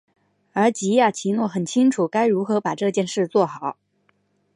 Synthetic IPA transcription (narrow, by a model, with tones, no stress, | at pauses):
ə˞˧˥t͡ɕi˧˥ja˥˩t͡ɕʰi˧˥nwɔ˥˩xə˨˩nt͡ɕʰi˥ŋʈ͡ʂʰu˨˩˦ka˥ɪɻu˧˥xɤ˧˥pa˨˩ʈ͡ʂɤ˥˧t͡ɕjɛ˥˧nʂɻ̩˥˧t͡swɔ˥˩xɑ˨˩˦ʊ